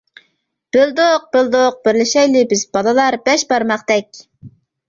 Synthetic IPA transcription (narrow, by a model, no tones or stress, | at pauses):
b̥ɪld̪oq̚b̥ɪld̪oq̚b̥ɪɾlɪʃɛjlɪbɪzbɑlˠɨlˠɑɾbɛʃbɑɾmɑqd̪ɛk̚ʲ